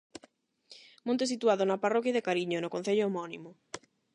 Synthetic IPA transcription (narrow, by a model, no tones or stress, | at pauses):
mõnt̪esit̪uaðonɐparɔkjaðekaɾiɲonokon̟θeʎʊomɔnimʊ